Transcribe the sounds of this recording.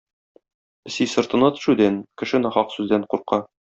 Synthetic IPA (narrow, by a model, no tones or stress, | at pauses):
ɘ̆sijsɤ̆ɾt̪ɤ̆nɑt̪ɵ̥̆ʃʉd̪ænkɘ̆ʃɘnɒχɑqsʉzd̪æɴquɾqɑ